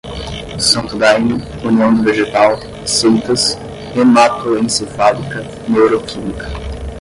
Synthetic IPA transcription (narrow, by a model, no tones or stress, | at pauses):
sɐ̃nt̪d̪ajnʊ | uniɐ̃d̪ɪveʒet̪al | sewt̪ɐs | emat̪oẽnsɪfabɾikɐ | newɾokʰimikɐ̥